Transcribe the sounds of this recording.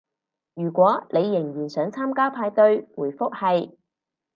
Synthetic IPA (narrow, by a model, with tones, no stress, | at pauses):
jyː˨˩kʷwɔː˨˥ne˨˧jːɪ˨˩ŋjyː˨˩nsœː˨˥ŋt͡sʰaː˥mkaː˥pʰaː˧jt̪ɵ˧ɥwuː˨˩jfʊ˥k̚hɐ˨j